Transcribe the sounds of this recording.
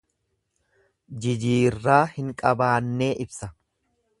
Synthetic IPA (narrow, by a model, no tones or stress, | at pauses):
d͡ʒɪd͡ʒiːrːaːhɪŋkʼɐbaːnːe̞ːʔɪbsɐ